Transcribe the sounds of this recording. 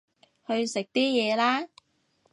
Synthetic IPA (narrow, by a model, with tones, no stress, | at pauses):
hɵ˧ɥsɪ˨k̚t̪iː˥jɛː˨˧laː˥